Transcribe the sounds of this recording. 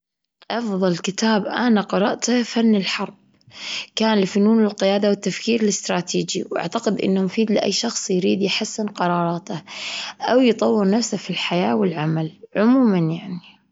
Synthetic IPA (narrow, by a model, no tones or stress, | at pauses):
ʔɑfðˤɑlkɪt̪aːbʔanaqɑɾˤɑ̰ʔt̪afanːɪlħɑɾˤb̚ | kaːnlɪfʊnuːnɪlqɪjaːd̪awɪt̪ːafkiːɾɪlɪst̪ɾˤɑːt̪ʰiːd͡ʒiwʔa̰ʕt̪aqɪd̪ʔɪ̰nːʊmfiːd̪lɪʔa̰jːʃɑxsˤjɾiːd̪jħasːɪnqɑɾˤɑːɾˤɑːt̪aʔawjt̪ˤɑwːɪɾˤnafsafilħajaːwɪlʕamalʕʊmuːmanjaʕni